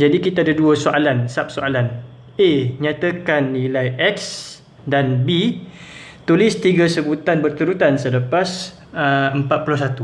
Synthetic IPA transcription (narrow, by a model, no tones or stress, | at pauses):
d͡ʒadikit̪aːdaduasoʔalansap̚soalan | eɲat̪akanːĩlajʔɛks | danbi | t̪ulɪst̪iɡasəbut̪anbərt̪uɾut̪ansələpas | əəmpat̪̚puluhs̬at̪u